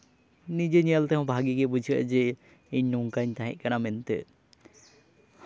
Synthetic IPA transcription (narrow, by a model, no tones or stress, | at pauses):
nid͡ʒeɲəlt̪ɛɦɔ̃bʱaɡiɡɛbud͡ʒʱiə̰ʔd͡ʒɛ | iɲnuŋkaɲt̪aɦɛ̰ʔ̚kanamɛnt̪ɛ̰